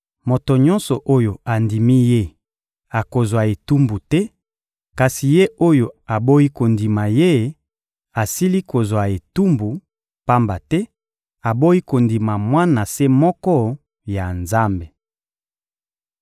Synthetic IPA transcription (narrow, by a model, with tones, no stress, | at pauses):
mo˨to˨ɲɔ̃˦nsɔ˨ʔo˦jo˨a˨ndi˨mi˦je˦ | a˨ko˨zwa˨e˨tu˦mbu˨tɛ˦ | ka˨si˨je˦o˦jo˨a˨bo˦i˦ko˨ndi˨ma˨je˦ | a˨si˦li˦ko˨zwa˨e˨tu˦mbu˨ | pa˦mba˨tɛ˦ | a˨bo˦i˦ko˨ndi˨ma˨mwa˦na˨se˦mɔ˦kɔ˦ | ja˨nza˦mbe˨